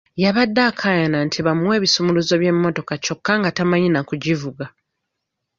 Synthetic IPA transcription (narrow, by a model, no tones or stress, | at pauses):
jaβadːaːkʰajanantʰiβamwe̞ːβisumuluzo̞βje̞mːo̞to̞kat͡ʃo̞kːaŋɡatamaɲinakuɟivuɡa